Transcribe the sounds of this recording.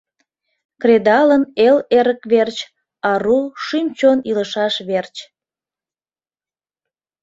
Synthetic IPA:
kred̪ɑləneleɾəkβert͡ɕ | ɑɾuʃymt͡ɕoniləʃɑʃβert͡ɕ

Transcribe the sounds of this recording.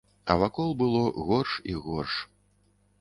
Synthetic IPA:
ɐ̰vakɔlˠbɨlˠɔɣɔrʂiɣɔrʂ

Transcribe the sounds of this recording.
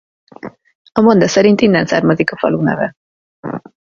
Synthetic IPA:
ɒmond̪ɒsɛɾint̪inːɛnsa̰ːrmɒzikɒfɒ̰lunɛ̰vɛ

